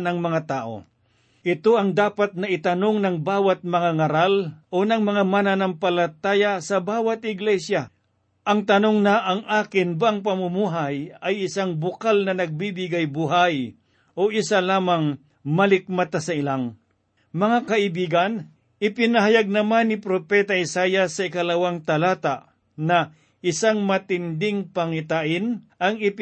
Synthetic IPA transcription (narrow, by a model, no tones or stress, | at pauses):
nɐŋmɐŋat̪aːʔo̰ | ʔɪt̪oʔɐŋd̪aːpat̪̚nɐɪt̪ɐnoŋnɐŋbaːwat̪̚mɐŋaŋɐɾalʔonɐŋmɐŋamananɐŋpɐlɐt̪aːjasɐbaːwɐt̪̚ɪɡlɛsja | ʔɐŋt̪ɐnoŋnaʔɐŋʔaːkɪnbaaŋpɐmʊmuːɦajɐjɪsaŋbʊkalnɐnɐɡ̚bibɪɡajbuɦaj | ʔoʔɪsalaːmaŋ | mɐlɪk̚mɐt̪asɐɪlaŋ | mɐŋakɐʔɪbiːɡɐn | ʔɪpɪnɐɦajaɡ̚nɐmanːɪpɾopɛt̪aɪsaːjɐsːɐɪkɐlɐwaŋt̪ɐlaːt̪aʔ | nɐ | ʔɪsaŋmɐt̪ɪnd̪ɪŋpɐŋɪt̪aʔɪnʔɐŋɪp